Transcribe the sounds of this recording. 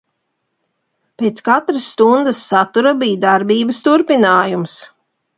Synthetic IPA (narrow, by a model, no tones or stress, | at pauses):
pʲeːt̪skat̪ɾəsːt̪und̪əsːat̪uɾabiːd̪aɾbiːbəst̪uɾpinaːjums